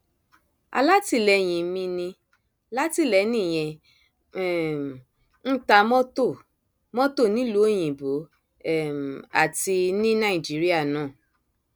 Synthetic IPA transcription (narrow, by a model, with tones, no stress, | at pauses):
a̰˧la˦ti˧lɛ˨˦j̃ĩ˨˦mĩ˧nĩ˧ | la˦ti˦˨lɛ˨˦nĩ˦˨j̃ɛ̃˧ | ɛ˦˨m˨ | n̩˦ta˧mɔ̃˦to˦˨ | mɔ̃˦to˦˨nĩ˨˦lu˨˦o˦˨j̃ĩ˨bo˨˦˨ | m˨a̰˦˨ti˧nĩ˦nã˦˨i˨d͡ʒi˨˦ɾi˦a˦˨nãː˦˨